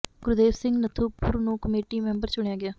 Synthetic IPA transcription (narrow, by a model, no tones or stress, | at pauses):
ɡʊɾʊd̪eːʋsɪ̃ŋɡnət̪ʰuːpʊɾnũːkəmeːʈiːmɛ̃ːmbəɾt͡ʃʊɳ̃ejaːɡɪjaː